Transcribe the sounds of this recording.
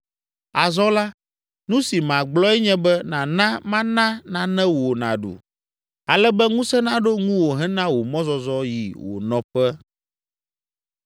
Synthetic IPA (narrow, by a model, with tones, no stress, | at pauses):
a˨zɔ˦la˦ | nũ˦si˨mã˨ɡ͡blɔ˦ɛ˦ɲɛ̃˦bɛ˦nã˨nã˦mã˦nã˦nã˨nɛ̃˦wo˨nã̰˨ɖṵ˨ | a˨lɛ˦bɛ˦ŋũ˦sɛ˦nã˦ɖo˦ŋũ˦wo˨ɦɛ̃˦nã˦wo˨mɔ̃˦zɔ˦zɔ˦jḭ˨wo̰˨nɔ̃˨ɸɛ˦